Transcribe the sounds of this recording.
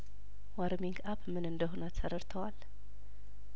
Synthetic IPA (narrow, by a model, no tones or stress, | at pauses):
waɾmiŋɡapmɨnɨnd̪əɦonat̪səɾəɾt̪ʰəwal